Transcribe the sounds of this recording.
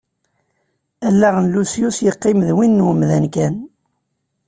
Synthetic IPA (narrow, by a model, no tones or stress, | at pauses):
ælːæʁənlusjusjəqːɪmðwinːwəmðænkæn